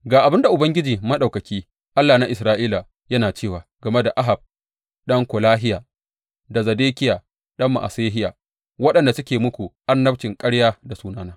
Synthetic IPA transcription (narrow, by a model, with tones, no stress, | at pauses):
ɡaː˨ʔa˨bɪ˦nda˨ʔʊ˨bɐ˦ŋɡʲɪ˦d͡ʒiː˨mɐ˦ɗa˨wkɐ˨kʲiː˦ | ʔa˦lːaː˨na˦ʔɪ˨sɾaː˦ʔiː˦la˨ | jɐ˦naː˨t͡ʃeː˦˨waː˨ɡɐ˨me˦da˨ʔa˦ɦa˨b̚ | ɗɐ˦ŋkʷo˨laː˦ɦɪ˦jaː˨ | da˨zɐ˨deː˦kʲɪ˦jaː˨ | ɗɐ˦mːa̰˨ʔa̰˨seː˦ɦɪ˦ja̰ː˨ | wɐ˦ɗɐ˨nda˨sʊ˦kʲeː˨mʊ˦kʷu˨ʔa˦nːɐ˦bt͡ʃɪ˨ŋkʼɐ˦ɽjaː˦da˨suː˦naː˦naː˦